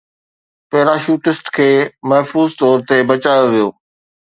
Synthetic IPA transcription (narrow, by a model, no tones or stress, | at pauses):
pɐɦɪɾaːʃuːʈɪsʈkʰeːmɐɦfuːzt̪ɔːɾt̪ebɐt͡ɕaːjoʋijoː